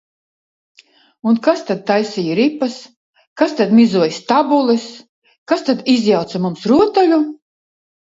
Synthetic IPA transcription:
unkast̪ad̪̚t̪ajsijiɾipːas | kast̪ad̪mʲizuɔjst̪abulˠɛs | kast̪ad̪izjawt̪samumsɾuɔt̪alʲu

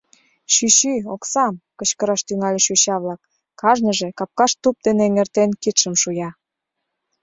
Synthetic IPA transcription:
ʃyɕyoksɑmkə̆t͡ɕkəɾɑʃt̪yŋɑlʲeʃuɕɑβlɑkː | ɑʒnəʒĕkɑp̚kɑʃt̪up̚d̪eneŋert̪enkit̪ʃə̆mʃujɑ

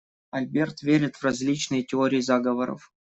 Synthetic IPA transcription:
ɐlʲbʲert̪vʲeɾʲɪt̪vrɐzʲlʲit͡ɕnɨjətʲɪoɾʲɪjizaɡəvəɾə̰f

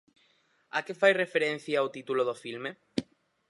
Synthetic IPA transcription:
akefajrefeɾẽn̟θjaawt̪it̪uloðofilme

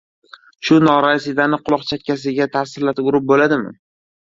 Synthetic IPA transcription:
ʃʊnɒɾasɪd̪anɪqʰʊlˠɒqt͡ʃʰat̪̚ʲkʲʰːas̬ɪɡʲat̪ʰasɪɾlat̪ʊɾɪp̚bolad̪ɪmɪ̰

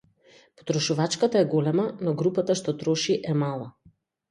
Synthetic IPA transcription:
pɔ̥t̪ɾɔʃuvat͡ʃkat̪aɛɡɔlɛmanɔɡɾupat̪aʃt̪ɔt̪ɾɔʃiʔɛmalˠa

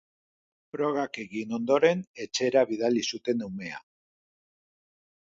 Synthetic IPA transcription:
pɾo̞ɣake̞ɣino̞nd̪o̞ɾe̞ne̞t͡ʃe̞ɾaβiðalisut̪e̞newme̞a̰

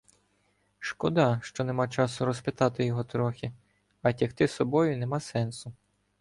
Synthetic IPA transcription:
ʃkɔd̪ɑʃt͡ʃɔnemɑt͡ʃɑsʊɾɔspʲɪt̪ɑt̪ɪjɔɦɔt̪ɾɔxʲɪ | ɐtʲixt̪ɪsɔbɔjʊnemɑsɛnsʊ

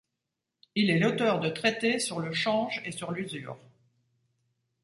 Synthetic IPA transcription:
ilɛlot̪œʁd̪ət̪χɛt̪esyʁləʃɑ̃ʒesyʁlyzy̰ːʁ

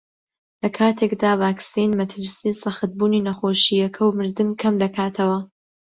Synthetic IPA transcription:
lɐkʰaːt̪ʰekd̪aːvaːksinmɐt̪ʰɨɾsisɐχɨt̪̚buːniːnɐxoːʃijɐkʰɐwmɨɾd̪ɨmkʰɐmd̪ɐkʰaːt̪ʰɐwɐ

